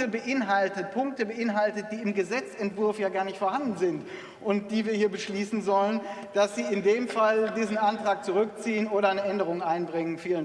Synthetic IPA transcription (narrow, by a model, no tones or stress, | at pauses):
əbəʔɪnɦaltət̚pʰʊŋk̚təbəʔɪnɦaltət̚d̥iːɪmɡəzɛt͡sɛntv̥ʊɐfjaːɡaːɐnɪçtfoɐhandn̩zɪnt | ʔʊnt̚d̥iːviːɐhiːɐbəʃliːsn̩zɔlənd̥asz̥iːɪndeːmfaldiːzn̩ʔantʁ̥aːk̚t͡suʁ̞ʏkt͡siːənʔoːɾɐaɪnəʔɛndəʁ̞ʊŋʔaɪnbʁɪŋənfiːlən